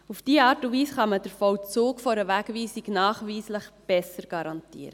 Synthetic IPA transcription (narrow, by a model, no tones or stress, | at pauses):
ufd̥iːəɑːɾtundviːsχɑməd̥əɾfɔwt͡suːkfɔɾəʋæːɡviːsiɡnɑːχʋiːsləχb̥ɛsəɾɡ̥ɑɾɑntḭːəɾə